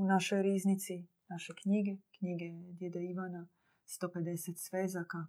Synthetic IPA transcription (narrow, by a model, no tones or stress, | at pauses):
unaʃojɾiːznit̪si | naʃekɲiɡekɲiɡed̪jed̪aiʋana | st̪oped̪eset̪sʋezaka